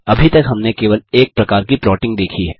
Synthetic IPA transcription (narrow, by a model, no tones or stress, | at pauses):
ɐbʱit̪ɐkɦɐmnekeːʋəleːk̚pɾɐkaːɾkipɾɔːʈɪ̃ŋɡ̚d̪eːkʰiɦɛː